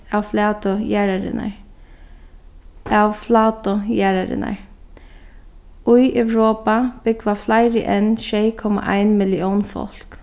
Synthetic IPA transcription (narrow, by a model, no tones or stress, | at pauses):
awflaːt̪ʊjæɹaɾɪ̰na̰ɹ | awflaːt̪ʊjæɹaɾɪ̰na̰ɹ | ʊjɛwɾoːpab̥ʏkvaflaɪɾɪʔɛnʃeɪkʰɔma̰ʔaɪnmɪlɪɔwnfɔ̰l̥k